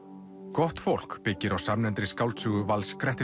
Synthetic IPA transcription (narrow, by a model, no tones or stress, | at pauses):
kɔht̪fowl̥kpɪcːɪɾawsamnɛnt̪ɾɪskawlt̪sʏɣʏvalskɾɛht̪ɪ